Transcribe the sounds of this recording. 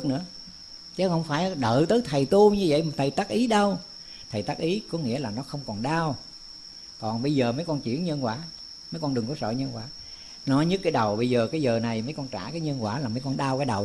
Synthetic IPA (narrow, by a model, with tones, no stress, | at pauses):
k̚nɨ̰˧˥ə | t͡ɕə˨˦˥hə˧wŋ͡mfaː˧˩˦jɗə̰ː˧˨t̪əː˨˦jt̪ʰə˨˩jt̪u˧ɲɨ˧və̰˧˨jm˨˩t̪ʰjt̪aː˦˥k̚ʔi˨˦ɗə˧w | t̪ʰə˨˩jt̪aː˦˥k̚ʔi˨˦kɔ˨˦ŋḭ˧˥əlaː˨˩nɔ˨˦xə˧wŋ͡mkɔ˨˩nɗaː˧w | kɔ˨˩nɓə˧jzəː˨˩mə˨˦jkɔ˧nt͡ɕḭ˧˥ənɲə˧nkwaː˧˦ | mə˨˦jkɔ˧nɗɨ˨˩ŋkɔ˨˦sə̰ː˧˨ɲə˧nkwaː˧˦ | nɔ˨˦jɲɨ˦˥t̚kːaː˨˦jɗə˨˩wɓə˧jzəː˨˩kaː˨˦jzəː˨˩na˨˩jmə˨˦jkɔ˧nt͡ɕaː˧˩kaː˨˦jɲə˧nkwaː˧˩laː˨˩mə˨˦jkɔ˧nɗaː˧wkaː˨˦jɗə˨˩w